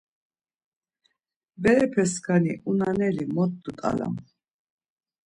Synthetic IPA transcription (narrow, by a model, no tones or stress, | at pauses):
bɛɾɛpʰɛskʰaniʔunanɛlimɔt̪̚d̪ut̪ʼa̰la̰m